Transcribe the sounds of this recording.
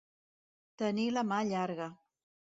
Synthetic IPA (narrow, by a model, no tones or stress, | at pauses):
t̪əniləmaʎaɾɣə